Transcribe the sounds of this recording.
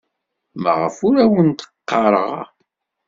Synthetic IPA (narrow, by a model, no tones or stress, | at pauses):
mæ̰ʁə̰fʊɾæwənt̪ə̥qːɑɾˤə̰ʁ̰